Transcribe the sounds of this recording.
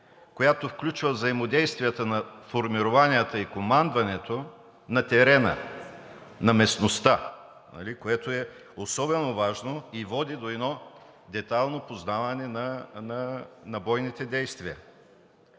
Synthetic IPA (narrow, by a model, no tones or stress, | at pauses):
kojat̪ofklʲut͡ʃvəvzɐimod̪ɛjst̪vʲijət̪ənɐfoɾmiɾovaniət̪əikomand̪vɐnɛt̪o | nɐt̪ɛɾɛnə̰ | nɐmɛsnost̪a | nɐ̰likoɛt̪oɛ | osɔbɛnovaʒnoivɔd̪id̪oɛnɔ | d̪ɛt̪alˠnopoznavɐnɛnɐnɐnɐbɔjnit̪ɛd̪ɛjst̪viə̰